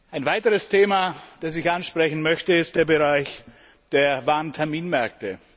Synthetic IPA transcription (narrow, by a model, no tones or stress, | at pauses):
ʔaɪnvaɪtəʁəstʰeːmad̥as̬zɪçʔanʃpʁ̥ɛçn̩mœçtəɪst̚d̥eːɐbəʁaɪç | d̥eːɐvaːɐntʰɛɐmiːnmɛɐk̚tə